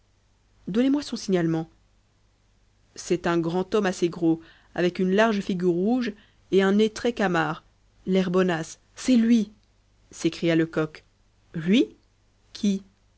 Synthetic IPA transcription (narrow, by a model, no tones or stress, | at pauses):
d̪ɔnemwasɔ̃siɲalmɑ̃ | sɛt̪ɛ̃ɡʁɑ̃t̪ɔmaseɡʁo | a̰vɛkynlaʁʒfiɡʲyʁːuʒ | eɛ̃net̪χɛkamaːʁ | lɛʁbɔnasː | ɛlɥi | sekχijaləkɔk | lɥi | kʲʰi